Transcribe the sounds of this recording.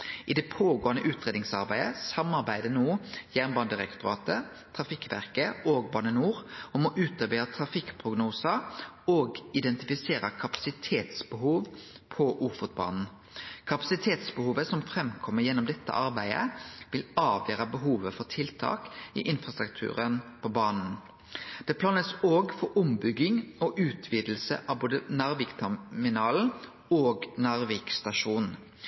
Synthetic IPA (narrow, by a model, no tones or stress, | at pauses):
ʔɪd̪ɛpʰoːɡoːənəʔʉːt̪ɾeːd̪nɪŋsɑɾbæɪd̪əsɑmɑʁbæɪd̪ənuːjæːʁnbɑːnd̪əʁɛkt̪ʊɾɑ̰ːt̪ə | t̪ʰɾɑfɪkʋæ̰ʁkəoːɡ̚bɑːnənuːʁɔmɔʔʉːt̪əʁbeːət̪ʰʁɑfɪkpʰʁʊɡnuːsəɾoːɡɪd̪ɛnt̪ɪfɪseːɾəkʰɑpɑ̥sɪt̪ʰeːt̪sbəɦuːʋ | pʰɔʔuːfʊt̪̚bɑ̰ːnn̩ | kʰɑpɑsɪt̪ʰeːt̪sbəhuːʋəsɔmfɾɛmkʰɔmːəjɛnɔmd̪ɛt̪ʰːə̰ʔɑɾbæɪə̰ʋɪlɑːʋjøːɾɑbəɦuːʋəfɔʁt̪ʰɪlt̪ʰɑ̰ːkɪ̰ʔɪnfɾɑst̪ʁʉkt̪ʰʉ̰ːɾənpʰɔbɑːnn̩ | d̪̥ɛpʰlɑːnəsoːɡfɔɾʊmbʏɡːɪŋɔʔʉːt̪ʰʋiːd̪l̩sə̰ʔɑboːd̪ənɑʁʋiːkt̪ʰɛmɪnɑːl̩ | oːɡnɑʁʋikst̪ɑʃuːnn̩